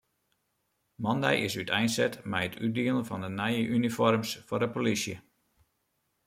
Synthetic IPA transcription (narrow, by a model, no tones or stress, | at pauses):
mɑndɛ̰jʔɪ̰sytʰɛjnsɛtmɛjətʰyt̚diəlˠənvɑndənɛjəʔynifɔrmsfordəpolisjə